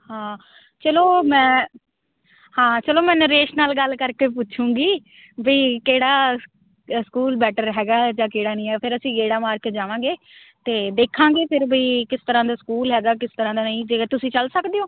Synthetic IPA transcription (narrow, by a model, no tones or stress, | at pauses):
hãː | t͡ʃəloːmɛ̃ː | hãːt͡ʃəloːmɛ̃ːnɾeːʃnaːlɡəlkəɾkeːpʊt͡ʃʰũːɡiː | biːkeːɽaː | skuːlbɛːʈəɾɦɛːɡaːd͡ʒãːkeːɽaːnĩːɦɛːpʰɪɾəsĩːɡeːɽaːmaːɾkeʈd͡ʒaːʋãːɡeː | t̪eːd̪eːkʰãːɡeːpʰɪɾbiːkɪst̪əɾãːd̪aːskuːlɦɛːɡaːk̬ɪst̪əɾãːd̪aːnaĩːd͡ʒeːt̪ʊsĩːt͡ʃəlsəkd̪eːoː